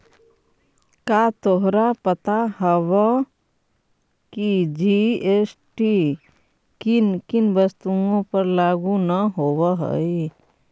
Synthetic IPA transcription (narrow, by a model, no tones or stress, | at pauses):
kaːt̪oɦɾapət̪aɦəwa | kid͡ʒieːsʈi | kɪnkɪnbəst̪uõpəɾlaːɡunəɦoːwaɦə̰i